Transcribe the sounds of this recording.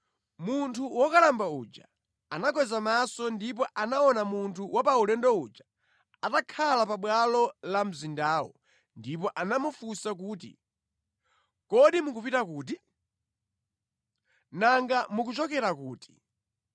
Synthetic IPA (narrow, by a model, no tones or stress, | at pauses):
muntʰuwɔkalambaṵːd͡ʒa̰ | anak̬wɛzamasɔndip̬ɔʔanaɔnamuntʰuwʔapaulɛndɔud͡ʒḁ | atakʰalapaɓwalɔlam̩zindaːwɔ̰ | ndipɔʔanamufusak̬uːt̬ḭ | kɔɗimukupitakuːt̬i | naŋɡamuk̬ut͡ʃɔkɛɾakuːti̥